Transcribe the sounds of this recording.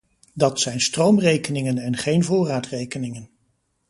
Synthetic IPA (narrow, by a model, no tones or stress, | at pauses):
dɑtsɛjnstrowmrejkənɪŋənɛnχejnvʊːraːtrejkənɪŋən